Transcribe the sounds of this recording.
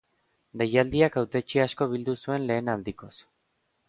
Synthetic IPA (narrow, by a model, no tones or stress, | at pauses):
d̪ejald̪iakawt̪e̞t͡ʃiasko̞β̞ild̪usue̞nle̞ːnald̪iko̞s